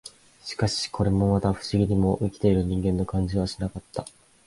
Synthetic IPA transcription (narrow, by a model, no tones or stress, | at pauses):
ɕi̥kaɕi̥kʰo̞ɾe̞mo̞mat̪aɸɯ̟̥ɕiɡʲiɲ̟imo̞ʔikʲi̥t̪e̞iɾɯ̟ɲ̟ĩŋɡẽ̞nːo̞kãɲ̟d͡ʑiβ̞aɕinakat̪ːa